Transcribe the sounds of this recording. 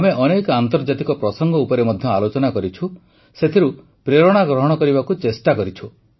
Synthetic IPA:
ameʔɔnekant̪ɔɾd͡ʒat̪ikɔpɾɔsɔŋɡɔupɔɾemɔd̪ʱjɔalot͡ʃɔnakɔɾit͡ʃʰu | set̪ʰiɾu | pɾeɾɔɽ̃aɡɾɔɦɔɽ̃ɔkɔɾibakut͡ʃesʈakɔɾit͡ʃʰu

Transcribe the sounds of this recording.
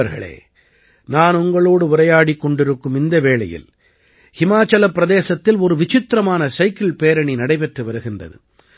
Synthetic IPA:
ɐɾɣɐ̰ɭḛː | naːnʊŋɡɐɭoːɽɯʊɾɐjaːɽikːɔɳɖɪɾɯkːɯmɪnd̪ɐʋeːɭɐ̰jɪ̰l | hɪmaːt͡ʃɐlɐpːɪɾɐðeːsɐt̪ːɪlɔɾɯʋɪt͡ʃɪt̪ːɾɐmaːnɐsɐɪkːɪɭpeːɾɐɳinɐɽɐɪpɛʈrɯʋɐɾɯɣɪndrɐ̰ðɯ̰

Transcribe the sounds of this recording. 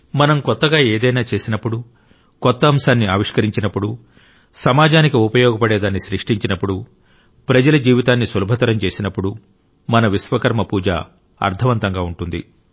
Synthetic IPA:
mɐnɐmkɔt̪ːɐɡaːeːd̪ɐjnaːt͡ʃe̞ːsinɐpːuɽu | kɔt̪ːɐːmsaːnːiaːʋiʂkɐɾiɲt͡ʃinɐpːuɽu | sɐmaːd͡ʒaːnikiupɐjɔːɡɐpɐɽeːd̪aːnːisɾiʂʈiɲt͡ʃinɐpːuɽu | pɾɐd͡ʒɐlɐd͡ʒiːʋit̪aːnːisɐlubʱɐt̪ɐɾɐmt͡ʃe̞ːsinɐpːuɽu | mɐnɐʋisʋɐkɐɾmɐpuːd͡ʒa̰ː | ɐ̰ɾt̪ʰɐʋɐnt̪ɐŋɡaːuɳʈund̪ḭ

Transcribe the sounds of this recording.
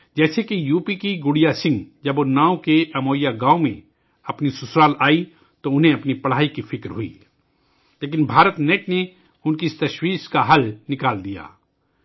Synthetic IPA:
d͡ʒɛːsekijuːpikiɡʊɽijasɪ̃ŋɡd͡ʒɐbonãːõkeʔɐmoːjaɡãːomḛ̃ | ɐpnisʊsɾaːlaːi | t̪oʊnɦẽɐpnipɐɽ̤aːikifɪkɾɦʊḭː | leːk̬ɪnbʱaːɾət̪neːʈne | ʊnkist̪ɐʃwiːʃkaɦɐlnɪkaːld̪ija̰ː

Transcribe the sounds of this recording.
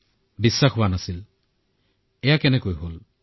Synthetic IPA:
bisːaxɦʊwanasil | ɛjakɛnɛkojɦol

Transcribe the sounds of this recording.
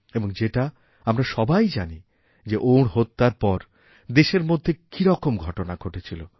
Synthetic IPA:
eboŋd͡ʑeʈa | amɾaʃɔbajd͡ʑani | d͡ʑeʔoɽɦot̪ːaɾpɔɾ | d̪eʃeɾmod̪ʱːekiɾɔkomɡʱɔʈonaɡʱoʈet͡ɕʰilo

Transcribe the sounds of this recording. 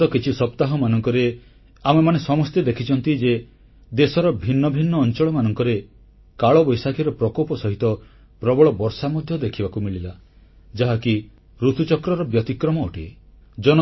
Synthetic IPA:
ɔkit͡ʃʰisɔpt̪aɦɔmanɔŋkɔɾe | amemanesɔmɔst̪ed̪ekʰit͡ʃɔnt̪id͡ʒe | d̪esɔɾɔbʱinːɔbʱinːɔːnt͡ʃɔɭɔmanɔŋkɔɾe | kaɭɔbɔjsakʰiɾɔpɾɔkɔpɔsɔɦit̪ɔ | pɾɔbɔɭɔbɔɾsamɔd̪ʱjɔd̪ekʰibakumiɭila | d͡ʒaɦaki | ɾut̪ʰut͡ʃɔkɾɔɾɔbjɔt̪ikɾɔmɔːʈi | d͡ʒɔn

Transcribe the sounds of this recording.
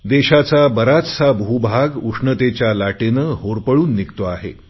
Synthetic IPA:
d̪eɕat͡sabəɾat͡ssabʱubʱaɡukʂɳət̪et͡ɕjalaʈenəɦoɾpəɭuːnːikt̪oaɦḛ

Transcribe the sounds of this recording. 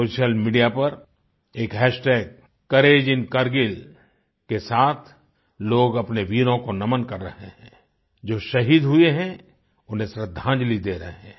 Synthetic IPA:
oːʃijəlmiːɖijapɐɾ | eːkɦɛːʃʈɛːɡ̚ | kɐɾeːd͡ʒɪnkɐɾɡɪl | kesaːt̪ʰ | loːɡɐpneʋiːɾõkonɐmənkɐɾːɐɦeɦɛ̃ː | d͡ʒoːʃɐɦiːd̪ɦʊeɦɛ̃ | ʊnɦẽsɾəd̪ʱːãːd͡ʒlid̪eːɾɐɦeɦɛ̃ː

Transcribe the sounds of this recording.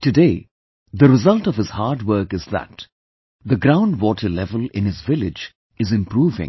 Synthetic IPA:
tɨdeː | d̪əɾɪzʌlʈɔv̥ɨz̥haːɾɖwəɾkɨzðæ̰t | d̪əɡɾãʊ̃nɖwɔːʈʰəlɛvəlɪ̰̃nɨzvɪlɪd͡ʒ | ɨzɪ̃mpɾuːvɪ̰̃ŋ

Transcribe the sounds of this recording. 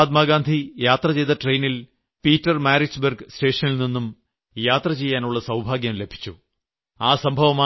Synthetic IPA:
d̪maːɡaːnd̪ʱijaːt̪rɐt͡ɕe̞jðɐʈrejnil | piːtːɐrmaːɾisberɡste̞ːʂɐnilninːum | jaːt̪rɐt͡ɕe̞jːaːnuɭːɐsɐwbʱaːɡjɐmle̞bʱi̥t͡ɕːu | aːsɐmbʱɐʋɐma

